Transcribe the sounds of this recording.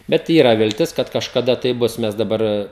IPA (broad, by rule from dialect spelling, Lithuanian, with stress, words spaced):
bʲɛt ˈiːrɐ ʋʲɪlʲˈtʲɪs kɐt kɐʃkɐˈdɐ tɐɪ ˈbʊs ˈmʲɛs dɐˈbɐr